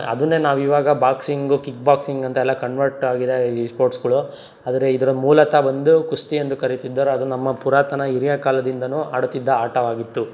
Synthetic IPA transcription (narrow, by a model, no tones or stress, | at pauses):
ɐ̰d̪unːeːnaːʋiːʋaːɡɐbaːksiŋɡukik̚baːksiŋɡɐnt̪ɐɛlːɐkɐɳʋɐɾʈaːɡid̪eispoːɾʈsɡɐɭu | aːd̪ɐɾeid̪ɐɾɐmuːlɐt̪ɐbɐnd̪ukust̪iend̪ukɐɾit̪id̪ːɐɾuɐd̪unɐmːɐpuɾaːt̪ɐnɐiɾijɐkaːlɐd̪ind̪ɐnuːaːɽut̪ːid̪ːɐaːʈɐʋaːɡit̪ːu